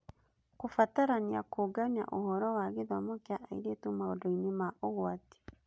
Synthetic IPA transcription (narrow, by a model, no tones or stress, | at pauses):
kufataɾaniakoɡanja̰ʔohɔɾɔwaɣeðɔmɔkjaʔaḭɾetumaodɔinimaʔoɣwati̥